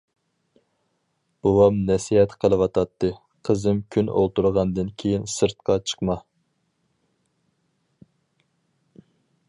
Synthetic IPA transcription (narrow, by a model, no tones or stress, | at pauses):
b̥owɑmnɛsihɛt̪qʰəlˠɨwɑt̪ʰɑt̪ːɨ | qʰəzɨmkʲʰyno̰lˠt̪uɾʁɑnd̪ɨnkʲʰejinsɨɾt̪̚qʰɑt͡ʃʰə̥qmɑ